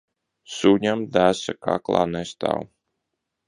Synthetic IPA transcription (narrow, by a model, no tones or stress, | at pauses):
suɲamd̪æːsaka̰klˠa̰ːnɛst̪a̰ːw